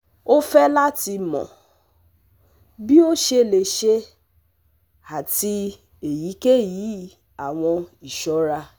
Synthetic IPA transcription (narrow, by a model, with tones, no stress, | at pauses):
o˦fɛ˦la˦ti˧mɔ̰̃˨ | bi˦o˦ʃe˧˨le˨ʃe˦ | a˨ti˧ | e˨ji˨˦ke˦˨ji˨˦ | a˨w̃ɔ̃˧i˨ʃɔ˨˦ɾa˧